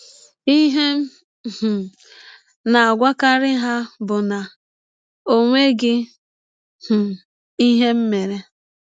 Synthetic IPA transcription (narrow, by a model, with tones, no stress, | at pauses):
i˦ɦe˦m̩˦ | ɦ̩˨ | na˨a˨ɡʷa˦ka˦ɾɪ˦ɦa˦bʊ˨na˨ | o˨ŋʷe˦ɡɪ˦ | h̩˨ | i˦ɦe˦m̩˦me˨ɾe˦